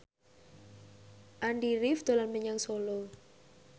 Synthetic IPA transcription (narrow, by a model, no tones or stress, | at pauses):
ʔaɳɖiɾifd̪̥o̤lanməɲaŋsolɔ